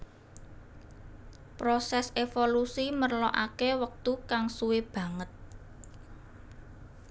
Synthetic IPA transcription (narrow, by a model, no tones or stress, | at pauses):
pɾosɛsefolusimərlɔʔa̰kewək̚t̪ukaŋsuweb̥ä̤ŋət̪̚